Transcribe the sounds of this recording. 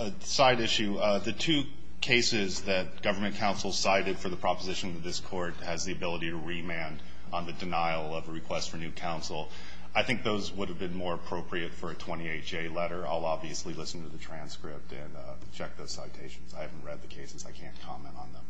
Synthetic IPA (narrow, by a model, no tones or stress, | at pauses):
saɪɾɪʃʉðɨtʰʉ | kʰeɪsɪzðɨt̚ɡ̥ʌvə˞mɨ̃nkʰãʊ̃nsl̩ˠsaɪɾɨd̥fə˞ðəpʰɹ̥ɑpəzɪʃn̩ðɨt̪̚ðɪskʰɔɹt̚hɨzðiɨbɪlˠəɾiɾɨɹimæ̃nd̃ | n̩ðɨdɨnaɪl̩ˠʌvəɹɨkʰw̥ɛstfə˞nʉkʰãʊ̃nsl̩ˠ | aɪθɪ̃ŋk̚ðoʊzwʊɾɨvbɨ̃nmɔɹəpʰɹ̥oʊpʰɹiɨtfə˞ɨtʰw̥ɛ̃ɾ̃ieɪt̚d͡ʒ̥eɪlɛɾə˞a̰ɪlˠɑbviɨslilɪsn̩tʰɨðɨtʰɹ̥æ̃nskɹɪp̚tɨ̰̃n | t͡ʃʰɛk̚ðoʊz̥saɪtʰeɪʃn̩z̥aɪhævn̩t̚ʔɹɛd̪̚ðɨkʰeɪsɨzaɪkʰæ̃nkʰɑmɛ̰̃ñtn̩ðə̃m